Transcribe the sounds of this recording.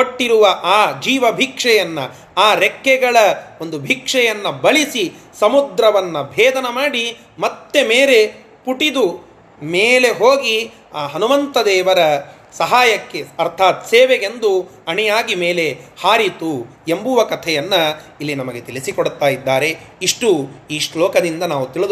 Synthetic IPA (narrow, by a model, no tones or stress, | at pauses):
koʈːiɾuʋɐʔaːd͡ʒiːʋɐbʱikʂɛjɐnːɐ | aːɾekːɛɡɐɭɐo̞nd̪ubʱikʂɛjɐnːɐbɐɭisisɐmud̪ɾɐʋɐnːɐbʱɛːd̪ɐnɐmaːɽi | mɐt̪ːe̞meːɾe̞ | puʈid̪u | meːle̞ɦoːɡi | aːɦɐnuʋɐnt̪ɐd̪eːʋɐɾɐ | sɐɦaːjɐkːeɐɾt̪ʰaːt̪seːʋeɡe̞nd̪uɐɳɛjaːɡimeːle̞haːɾit̪u | embuʋɐkɐt̪ʰɛjɐnːɐilːinɐmɐɡet̪iɭisikoɽt̪ːaːjid̪ːaːɾe̞iʂʈuiːʂloːkɐd̪ind̪ɐnaːʋut̪iɭid̪